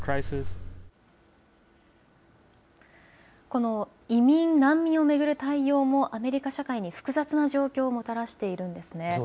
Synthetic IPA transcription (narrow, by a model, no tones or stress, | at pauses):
kʰɹajsɪs | ko̞no̞ | imʲĩnnãmːʲĩɰ̃o̞me̞ɡɯ̟ɾɯ̟t̪aijo̞ːmo̞ʔame̞ɾʲikaɕakaiɲ̟iɸɯ̥kɯ̟zat͡sɨnaʑo̞ːkʲo̞ːmo̞t̪aɾaɕi̥t̪e̞iɾɯ̟̃nd̪e̞sɨne̞